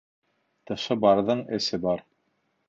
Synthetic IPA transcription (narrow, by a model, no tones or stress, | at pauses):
t̪ɤ̆ʃɤbɑɾðɤɴɘ̆sɘbɑɾ